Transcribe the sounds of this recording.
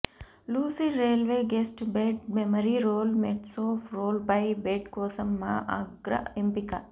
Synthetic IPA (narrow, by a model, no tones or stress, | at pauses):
luːsiɾeːlʋeːɡesʈbeɖmemɐɾiɾoːlmeʈsoːfɾoːlbɐjbeʈkoːsɐmːaːʔaɡɾɐ̰empikɐ